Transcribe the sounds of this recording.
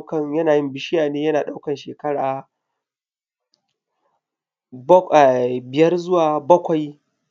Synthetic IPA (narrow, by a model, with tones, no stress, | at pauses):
kɐ˨ŋjɐ˦naː˨jɪ˦mbɪ˦˨ʃɪ˦jaː˨neː˦jɐ˦naː˨ɗa˦wkɐ˨nʃeː˨kɐ˦ɽaː˨˦˨ | bɪ˨jɐ˦rzʊ˦waː˨bɐ˦kʷa˨j